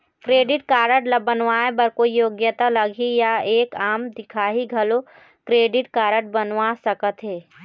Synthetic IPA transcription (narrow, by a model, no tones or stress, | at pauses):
kɾeːɖɪʈkaːɾəʈləbənʋaːebɐɾkoijoːɡjət̪alɐɡʱijaeːkaːmd̪ɪkʰaːɦiɡʱɐlo | kɾeːɖɪʈkaːɾəʈ̚bənʋasɐkət̪ɦeː